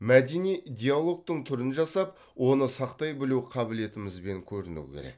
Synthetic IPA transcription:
mæd̪enijd̪ʲealˠo̞k̚t̪əɴt̪ʰʏɾɪnʒɑsɑp̚ | wʔo̞nəsɑqt̪ɑjbɪluwqʰɑbɪle̞t̪ɪmɪzbe̞ŋkʲʰɵɾɪnṵwkʲʰḛɾḛk

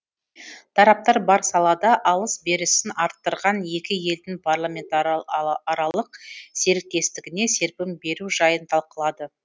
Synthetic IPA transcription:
t̪ʰɑɾɑp̚t̪ɑɾbɑɾsɑlˠɑd̪ɑʔɑlˠəsbe̞ɾɪsɪnɑɾt̪ːəɾʁɑnje̞kʲɪje̞ld̪ɪŋpʰarlˠamʲe̞nt̪ː | ɾɑlˠəqse̞ɾɪk̚t̪ːe̞st̪ɪɡʲɪne̞se̞ɾpɪmbe̞ɾuʒɑjənt̪ʰɑlˠqəlˠɑd̪ə

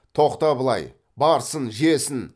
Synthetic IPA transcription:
t̪ʰo̞qt̪ɑbəlˠɑ̰j | bɑɾsənʒesɪn

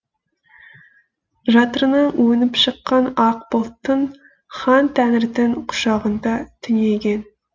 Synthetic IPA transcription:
ʒɑt̪əɾnəɴwɵnɪpʃəqːɑnɑqbolˠt̪ːən | χɑnt̪ʰænɪɾd̪ɪɴqʰʊ̥ʃɑʁənd̪ɑt̪ʰʏneɡʲen

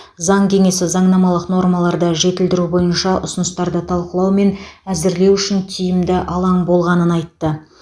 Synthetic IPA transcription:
zɑɴkʲʰe̞ŋe̞sɪzɑɴnɑmɑlˠəqno̞rmɑlˠɑɾd̪əʒe̞t̪ɪld̪ɪɾubo̞jənʃɑʔʊ̰sʊnəst̪ɑɾd̪ət̪ʰɑlˠqəlˠɑwme̞næzɪɾle̞wʏʃɪntʲʰijɪmd̪ɪʔɑlˠɑɴbo̞lˠʁɑnənɑjt̪ːə

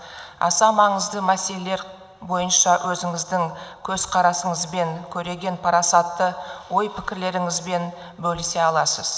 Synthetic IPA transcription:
ɑ̰sɑmɑɴəzd̪əmæse̞leleɾ | bo̞jənʃɑwʔɵzɪŋɪzd̪ɪŋkʲʰɵz̥qʰɑɾɑsəɴəzbe̞ŋkʲʰɵɾe̞ɡʲe̞npʰɑɾɑsɑt̪ːəwo̞jpʰɪkʲɪɾle̞ɾɪŋɪzbe̞n | bɵlɪse̞ɑlˠɑsəz̥

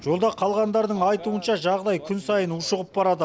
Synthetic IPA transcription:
ʒ̥o̞lˠd̪ɑqʰɑlˠʁɑnd̪ɑɾd̪əɴɑjt̪uənʃɑʒɑʁd̪ɑjkʲʰʏnsɑjənʊʃəʁəp̚bɑɾɑd̪ə

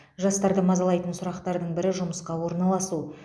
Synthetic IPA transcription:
ʒɑst̪ɑɾd̪əmɑzɑlˠɑjt̪ənsʊɾɑqt̪ɑɾd̪əɴbɪɾɪʒʊməsqɑwo̞ɾnɑlˠɑsu

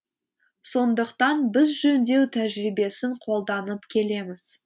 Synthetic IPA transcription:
so̞nd̪əqt̪ɑnbɪzʒɵnd̪e̞wt̪ʰæʒɾijbe̞sɪɴqʰo̞lˠd̪ɑnəpkʲʰe̞le̞mɪz̥

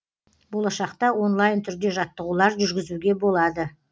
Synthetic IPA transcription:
bo̞lˠɑʃɑqt̪ɑwo̞nlˠɑjnt̪ʰʏɾd̪e̞ʒɑt̪ːəʁulˠɑɾʒʏɾɡʲɪzuɡʲe̞bo̞lˠɑd̪ə

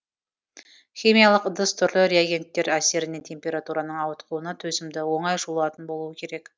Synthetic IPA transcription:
χʲimijalˠəqd̪əst̪ʰʏɾlɪɾejaɡʲe̞nt̪ːe̞ɾæse̞ɾɪne̞nt̪ʰe̞mpʲe̞ɾat̪uɾanəɴɑwət̪qʰˠuwənɑt̪ʰɵzɪmd̪ɪwo̞ɴɑjʒulˠɑt̪ənbo̞lˠuwəkʲʰe̞ɾe̞k

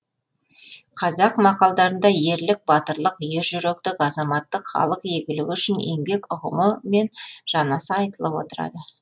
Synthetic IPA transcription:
qʰɑzɑqmɑqɑlˠd̪ɑɾənd̪ɑje̞ɾlɪk̚bɑt̪əɾlˠəqje̞ɾʒʏɾek̚t̪ɪkɑzɑmɑt̪ːəqχɑ̰lˠəqje̞ɡʲɪlɪkʲʏʃɪne̞ŋbe̞kʊʁəməme̞nʒ̥ɑnɑsəɑjt̪əlˠəpwo̞̰t̪əɾɑ̰d̪ə

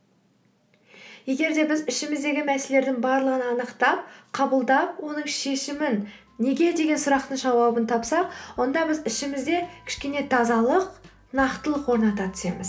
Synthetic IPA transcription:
je̞ɡʲe̞ɾd̪e̞bɪzɪʃɪmɪzd̪e̞ɡʲɪmæse̞le̞ɾd̪ɪŋbɑɾlˠəʁənɑnəqt̪ɑp̚qʰɑbəlˠd̪ɑp̚wo̞nəɴʃe̞ʃɪmɪnː | e̞ɡʲe̞d̪e̞ɡʲe̞nsʊɾɑqt̪əɴʒɑwɑbənt̪ʰɑpsɑqwo̞nd̪ɑbɪzɪʃɪmɪzd̪e̞kʲʰɪ̥ʃkʲe̞ne̞t̪ʰɑzɑlˠəq | nɑqt̪əlˠəqwo̞ɾnɑt̪ɑt̪ʰʏ̥se̞̰mɪz

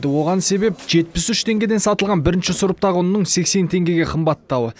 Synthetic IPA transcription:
d̪əwo̞ʁɑnse̞be̞p̚ʒe̞t̪̚pɪsʏʃt̪ʰe̞ŋɡʲe̞d̪e̞nsɑt̪əlˠʁɑnbɪɾɪnʃɪsʊɾəp̚t̪ɑʁonnːəɴse̞kse̞nt̪ʰe̞ŋɡʲe̞ɡʲe̞qʰəmbɑt̪ːɑwə

